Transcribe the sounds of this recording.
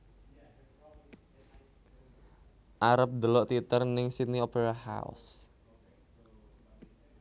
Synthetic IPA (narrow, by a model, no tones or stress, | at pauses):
ʔaɾəp̚d̪əlɔʔt̪it̪ərnɪŋsit̪̚niopeɾaha̰ṵs